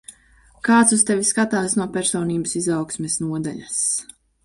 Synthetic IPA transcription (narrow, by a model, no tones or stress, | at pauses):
kaːt̪sust̪ɛviskat̪aːsnuɔpɛɾsɔːniːbəsizawksmʲɛsnuɔd̪aʎɐs